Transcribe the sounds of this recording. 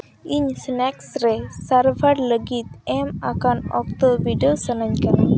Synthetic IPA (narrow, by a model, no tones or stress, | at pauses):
iɲsnɛksɾɛsaɾbʱaɽləɡit̪̚ɛmakanɔk̚t̪ɔbiɖosənaɲkana